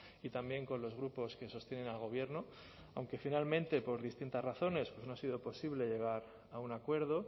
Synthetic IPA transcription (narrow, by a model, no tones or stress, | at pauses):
it̪ambje̞ŋko̞nlo̞zɣ̞ɾupo̞ske̞so̞st̪je̞ne̞nalɣ̞o̞β̞je̞ɾno̞ | awŋke̞finalmẽ̞nt̪e̞po̞ɾðist̪int̪azraθo̞ne̞spwe̞no̞asiðo̞po̞siβle̞ʎe̞ɣ̞aɾ | aunakwe̞ɾð̞o̞